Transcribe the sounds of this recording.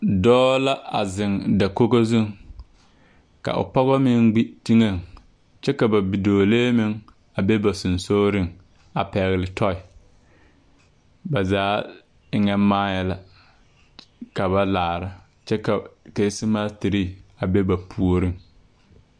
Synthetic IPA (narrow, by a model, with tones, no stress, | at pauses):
dɔː˦la˦a˨zɪ˨ŋda˨ko˦ko˦zu˦˨ŋ | ka̰˨ʔʊ̰˨pɔ˦ɣɔ˦mɪ˦ŋɡ͡bi˦ti˦ŋe˨ŋ | t͡ʃɛ˦ka˨ba˨bi˨doː˨leː˦mɪ˦ŋ | a˨be˦ba˨sʊ˨nsoː˦ɾɪ˦ŋ | a˨pɛ˨ɣɪ˨lɪ˨tʰɔ˦ɪ˨ | ba˨zaː˦ | ŋɛ˦maː˦jɛ˦la˨ | ka˨ba˦laː˨ɾa˦ | t͡ʃɛ˦ka˨ke˨˦sɪ˦maː˦tɪ˨ɾi˦˨a˨be˦ba˨pʰu˨o˨ɾɪ˦ŋ